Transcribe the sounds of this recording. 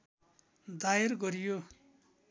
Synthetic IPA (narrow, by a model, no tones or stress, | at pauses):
d̪aerɡʌɾijo